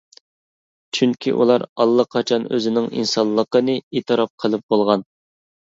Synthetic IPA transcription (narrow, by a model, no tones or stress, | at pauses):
t͡ʃʰyŋkʲʰiʔṵlˠɑɾɑlˠːəqʰɑt͡ʃʰɑnø̰zɪnɪŋḭnsɑnlˠːəqənɨet̪ʰɨɾɑp̚qʰəlˠɨp̚bolˠʁɑn